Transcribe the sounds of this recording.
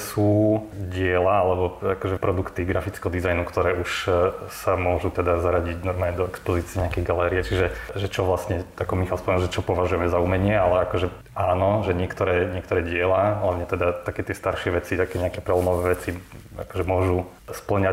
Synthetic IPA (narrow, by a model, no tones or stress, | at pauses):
suːɟɪɛlaalɛbɔakɔʒɛpɾɔd̪ukt̪iɡɾafit͡skɛɦɔd̪izajnukt̪ɔɾɛːʔuʃsamʊɔʒut̪ɛd̪azaɾaɟiɟnɔɾmaːlɲɛd̪ɔɛkspɔziːt͡siɛɲɛakɛjɡalɛːɾiɛt͡ʃiʒɛʒɛt͡ʃɔʋlasɲɛakɔmixalspɔmɛnlʒɛt͡ʃɔpɔʋaʒujɛmɛzaumɛɲɪɛalɛakɔʒɛ | aːnɔʒɛɲɪɛkt̪ɔɾɛːɲɪɛk̚t̪ɔɾɛːɟɪɛlaɦlaʋɲɛt̪ɛd̪at̪akɛːt̪ɪɛst̪aɾʃɪɛʋɛt͡sit̪akɛɲɛakɛpɾɛlɔmɔʋɛːʋɛt͡sia̰kɔʒɛmʊɔʒu | spl̩ɲa